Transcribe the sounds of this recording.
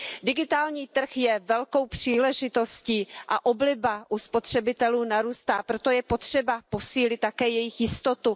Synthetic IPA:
dɪɡɪt̪aːlɲiːt̪r̩xjɛvɛlko̞wpr̥iːlɛʒɪt̪o̞sciːʔaʔo̞blɪbaʔuspo̞t̪r̝̥ɛbɪt̪ɛluːnaɾuːst̪aːpɾot̪o̞jɛpo̞t̪r̥ɛbapo̞siːlɪt̪̚ːakɛːjɛjɪxjɪst̪o̞t̪u

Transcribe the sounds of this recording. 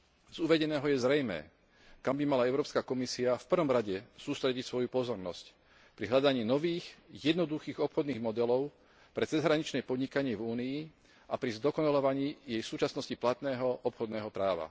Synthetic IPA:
z̥uʋɛɟɛnɛːɦɔjɛzɾɛjmɛ̰ː | kambimalaɛʊɾɔːpskakɔmisiafpr̩ʋɔmɾaɟɛsuːst̪ɾɛɟicsʋɔjupɔzɔɾnɔsc | pɾiɦʎad̪aɲiːnɔʋiːxjɛd̪nɔd̪uxiːɣɔpxɔd̪niːɣmɔd̪ɛlɔʊ | pɾɛt͡sɛzɦɾaɲit͡ʃnɛjpɔd̪ɲikaɲɪɛvuːnii | ʔapɾizd̪ɔkɔnalɔʋaɲiːjɛjsuːt͡ʃasnɔsciplat̪nɛːɦɔʔɔpxɔd̪nɛːɦɔpɾaːʋa̰

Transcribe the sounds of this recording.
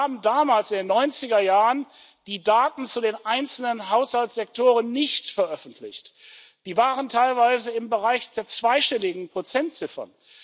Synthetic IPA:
aːbm̩daːmaːlsɪndeːnːɔʏnt͡sɪɡɐjaːʁən | d̥iːdaːtn̩t͡sudeːnʔaɪnt͡sl̩nənɦaʊshalsz̥ɛk̚tʰoːʁənːɪçtfɛɐʔœfn̩tʰlɪ̰çt | d̥iːvaːʁəntʰaɪlvaɪzəɪmbəʁaɪçd̥eːɐt͡sv̥aɪʃtɛlɪɡŋ̩pʁ̥ot͡sɛntt͡sɪfɐ̰

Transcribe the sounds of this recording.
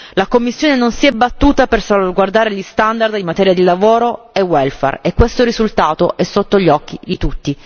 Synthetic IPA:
lakomːisːjoːnenonsiɛbːat̪ːuːt̪apersolvaɡward̪aːɾeʎist̪and̪ard̪imːat̪ɛːɾjad̪ilavoːɾo | ewɛlfɛ̰rekːwest̪oɾizult̪aːt̪oʔɛsːot̪ːoʎɔk̟ːid̪it̪ut̪ːi

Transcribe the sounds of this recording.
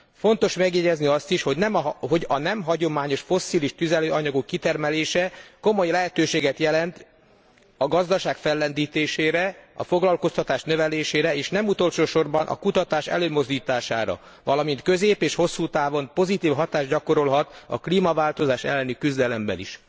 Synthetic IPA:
fo̞nt̪o̞ʃmɛɡjɛɟɛzniɒst̪iʃho̞ɟnɛmɦɦo̞ɟɒnɛmɦɒɟo̞maːɲoʃfo̞sːiːliʃt̪yzɛløːɒɲɒɡokːit̪ɛrmɛleːʃɛko̞mo̞jlɛɦɛt̪øːʃeːɡɛt̪jɛlɛnt̪ | ɒɡɒzd̪ɒʃaːkfɛlːɛnd̪iːt̪eːʃeːɾɛɒ̰fo̞ɡlɒlko̞st̪ɒt̪aːʃnø̞vɛleːʃeːɾɛeːʃnɛmut̪o̞lʃoːʃo̞rbɒnʔɒ̰kut̪ɒt̪aːʃɛ̰løːmo̞zd̪iːt̪aːʃa̰ːɾɒ̰ | vɒlɒmint̪kø̞zeːpeːʃho̞sːuːt̪aːvo̞npo̞zit̪iːfɦɒt̪aːʒɟɒko̞ɾo̞lɦɒt̪ɒ̰kliːmɒvaːlt̪o̞zaːʃɛ̰lːɛnikyzd̪ɛlɛmbɛ̰nḭʃ

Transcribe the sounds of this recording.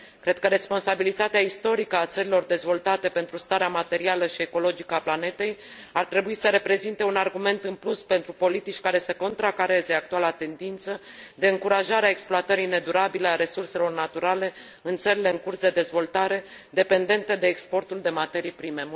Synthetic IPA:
kɾe̞d̪̥̚kəɾe̞spo̞nsabilit̪at̪eaist̪o̞ɾikəat̪səɾilo̞rd̪e̞zvo̞lt̪at̪e̞pe̞nt̪ɾust̪aɾeamat̪e̞ɾialəʃie̞ko̞lo̞d͡ʒikəaplane̞t̪e̞j | art̪ɾe̞buisəɾe̞pɾe̞zint̪e̞unarɡume̞nt̪ɨnpluspe̞nt̪ɾupo̞lit̪it͡ʃʲkaɾe̞səko̞nt̪ɾakaɾe̞ze̞ak̚t̪ualat̪e̞nd̪int̪səd̪e̞ɨŋkuɾaʒaɾeaekspluat̪əɾijne̞d̪uɾabileaɾe̞surse̞lo̞rnat̪uɾale̞ | ɨnt̪səɾile̞ɨŋkursd̪e̞d̪e̞zvo̞lt̪aɾe̞ | d̪e̞pe̞nd̪e̞nt̪ed̪e̞ːkspo̞rt̪uld̪e̞mat̪e̞ɾijpɾime̞

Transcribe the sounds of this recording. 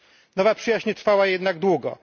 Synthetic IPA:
nɔvapʂɨjaɕɲɛt̪ɾfawajɛd̪naɡd̪wuɡɔ̰

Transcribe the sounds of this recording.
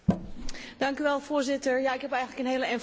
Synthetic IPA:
d̥ɑŋkyʋɛlˠfʊːɹzɪtəɹjaɪkɦɛpɛjɣən̩ləkənɦeːələɛn

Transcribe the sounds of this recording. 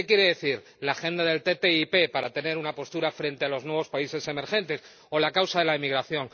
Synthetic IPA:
ekje̞ɾe̞ðeθiɾ | laːxe̞nd̪aðe̞lt̪e̞t̪e̞ipe̞paɾat̪e̞ne̞ɾunapo̞st̪uɾafɾe̞nt̪ealo̞znwe̞β̞o̞spaise̞se̞me̞ɾxẽ̞nt̪e̞s | o̞lakawsaðe̞laemiɣɾaθjo̞ŋ

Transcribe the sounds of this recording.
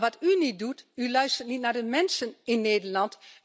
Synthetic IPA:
ʋatynit̚dutylœɥstərtnitnardəmɛnsənɪnːeːdəlɑnt

